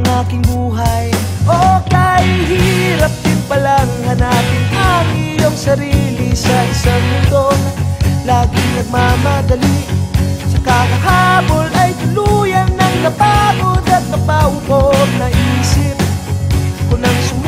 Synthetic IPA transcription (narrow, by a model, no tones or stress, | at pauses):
ŋʔaːkɪŋmuːɦɐj | ʔok̪aːjɪŋɦiɾɐp̚d̪ɪnpɐlaŋhɐnaːkɪŋt̪aŋɪjoŋsɐɾiːlɪsɐʔɪsaŋmʊnd̪o | laːɡɪnɐɡ̚mamɐd̪ɐli | sɐkakɐɦaːbolɐjt̪ʊlujɐnːɐŋnɐpaːtod̪ɐt̪̚nɐpahʊʔob̚nɐʔiːsɪp̚ | kʊnɐŋsʊm